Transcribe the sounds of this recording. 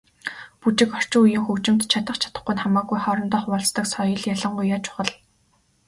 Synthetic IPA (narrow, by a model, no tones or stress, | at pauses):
put͡ɕɪ̆kɔr̥t͡ɕʊ̆ŋujɪ̆ŋxɵwt͡ɕɪ̆mt̪t͡ɕʰat̪ə̆χt͡ɕʰḁt̪ə̆χɡujnχamaːɡujχɔɾɞ̆nt̪ɔːχpɔɮst̪ə̆ksɔjɞ̆ɮjaɮə̆ɴɢujːat͡ɕʊ̥χə̆ɮ